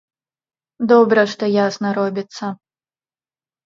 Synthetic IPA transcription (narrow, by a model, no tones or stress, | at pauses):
d̪ɔbɾɐʂt̪ɔjasnɐɾɔbʲit̪sːɐ